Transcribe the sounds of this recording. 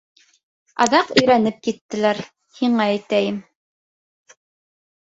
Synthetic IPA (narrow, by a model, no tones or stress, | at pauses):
ɑ̰ðɑqɵ̆jɾænɘp̚kit̪ːɘ̆læɾ | hiɴɑæjt̪æjɘm